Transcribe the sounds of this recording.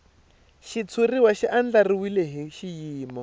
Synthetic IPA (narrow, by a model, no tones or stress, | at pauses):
ʃit͡sʰuriwaʃiʔand͡ɮariwileɦiʃijiːmɔ